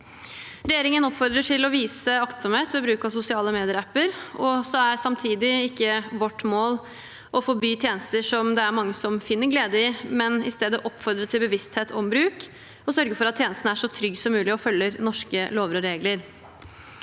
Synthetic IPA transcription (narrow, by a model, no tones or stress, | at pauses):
ɾɛjeːɾɪŋənɔpfɔɾd̪ɾəʈʰɪlɔʋiːsəɑkt̪sɔmheːt̪ʋɛbɾʉːkɑsʊsɪɑːləmeːd̪ɪəɾæpːəɾɔsɔæɾsɑmt̪ʰiːd̪ɪɪkːəʋɔʈːmoːl | ʔɔfɔɾbyːt̪ʰjeːnəst̪əʂɔmd̪ɛæɾmɑŋːəsɔmfɪnːəɾɡleːd̪əɪmɛnɪst̪eːd̪əʔɔpːfɔɾd̪ɾət̪ʰɪlbəʋɪst̪heːt̪ʰɔmbɾʉːk | ɔsœɾɡəfɔɾɑt̪ʰːjeːnəst̪n̩æʂɔt̪ʰɾʏɡːsɔmːʉːlɪɔfœlːəɾnɔʂkəloːʋəɾɔɾeːɡləɾ